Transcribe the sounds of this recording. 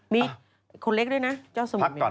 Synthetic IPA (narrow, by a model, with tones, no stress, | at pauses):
mi˧˥ | kʰo˧˩le˦˥k̚ɗə˧˦na˧t͡ɕɔ˧˥sə˧m˦˨